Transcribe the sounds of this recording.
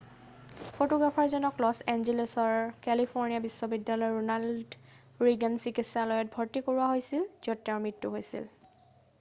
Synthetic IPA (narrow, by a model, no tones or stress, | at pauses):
pʰotoɡɹapʰɔɹzɔnɔklɔsɛnzilesɔɹkɛlipʰoɹnijabisːɔbidːalɔjɹunald | ɹiɡɛnsikitsalɔjɔt̚bʱɔɹtikoɹuaɦojsilzɔtːaʊmɹitːuɦojsḭl